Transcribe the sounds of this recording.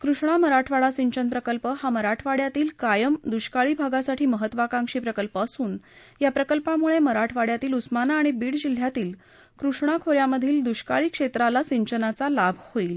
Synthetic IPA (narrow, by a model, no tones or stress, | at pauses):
kɾuʂɳ̃aməɾaʈʰʋaɽasiɲt͡ɕənpɾəkəlpəhaməɾaʈʰʋaɽjat̪iːlkajəmd̪uɕkaɭiːbʱaɡasaʈʰiːməɦət̪ːʋakãŋkʂiːpɾəkəlpəːsuːn | japɾəkəlpamuɭeməɾaʈʰʋaɽjat̪iːlusmanaːɽ̃ibiːɽd͡ʑil̤ːjat̪iːl | kɾuʂɳ̃akʰoɾjaməd̪ʱiːld̪uɕkaɭiːkʂet̪ɾalasiɲt͡ɕənat͡salabʱhoil